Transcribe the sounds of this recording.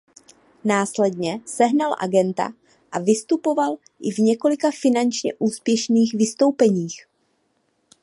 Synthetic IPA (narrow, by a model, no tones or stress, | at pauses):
naːslɛdɲɛsɛɦnalʔa̰ɡɛnt̪a̰ | ʔavɪst̪upo̞val | ʔɪvɲɛko̞lɪkafɪnant͡ʃɲɛ̰ʔuːspjɛʃniːxvɪst̪o̞wpɛɲiːx